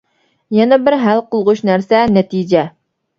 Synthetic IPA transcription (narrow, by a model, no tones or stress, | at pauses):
jɛnɛbɪɾɦælˠqolˠʁʊʃnæɾsɛnɛt̪id͡ʒɛ